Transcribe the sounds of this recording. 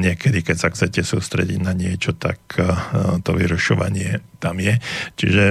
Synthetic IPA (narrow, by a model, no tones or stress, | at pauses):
ɲɪɛkɛd̪ikɛcsaxt͡sɛcɛsuːst̪ɾɛ̰ɟḭɟnaɲɪɛt͡ʃɔt̪a̰k | t̪ɔʋiɾuʃɔʋa̰ɲɪɛt̪amjɛt͡ʃḭʒɛ